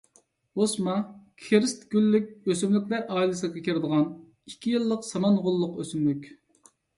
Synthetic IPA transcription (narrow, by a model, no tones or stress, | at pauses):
osmɑkʲʰeɾɪst̪ɡʲylːykʲøsymlykʲlæɾʔɑːilˠɨsɨkʲɛkʲʰiɾɪd̪əʁɑn | ikʲʰːijɨlˠːəqsɑmɑnʁolˠːʊqøsymlykʲ